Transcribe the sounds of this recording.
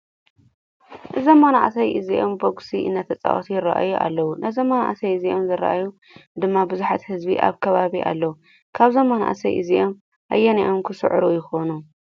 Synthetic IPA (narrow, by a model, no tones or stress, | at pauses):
ʔɨzɐmːanaʔsɐjʔɨziʔomboɡsiʔɨ̰nːat̪ʰɐt͡sʼa̰ʔot̪ʰjɪɾaʔa̰juʔa̰lːɐwunʔɐzɐmːana̰ʔasɐjɨziʔomzɨɾa̰ʔaju | d̪ɨmːabɨzuħat̪hɨzbḭʔa̰βkʰɐβaβiʔa̰lːɐwu | kʰaβzɐmːana̰ʔa̰sɐjʔɨ̰ziʔom | ʔa̰jːɐniʔomkʰɨsɨ̰ʕɾujɪxo̞nu